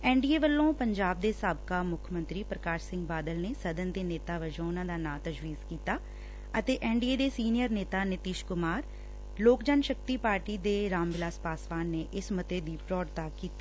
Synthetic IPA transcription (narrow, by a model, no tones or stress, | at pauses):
ɛ̃ːɳɖiːeːʋəlːõːpəɲd͡ʒaːb̚d̪eːsaːbkaːmʊkʰmə̃nt̪ɾiːpɾəkaːʃsɪ̃ŋɡbaːd̪əlneːsəd̪ənd̪eːneːt̪aːʋəd͡ʒõːnãːd̪aːnãːt̪əd͡ʒʋiːzkiːt̪aː | ət̪eːʔɛːɳɖiːeːd̪eːsiːnijəɾneːt̪aːnɪt̪iːʃkʊmaːɾ | loːkd͡ʒaːnʃək̚t̪iːpaːɾʈiːd̪eːɾaːmʋɪlaːspaːsʋaːnːeːʔɪsmət̪eːd̪iːpɾɔːɖt̪aːkiːt̪iː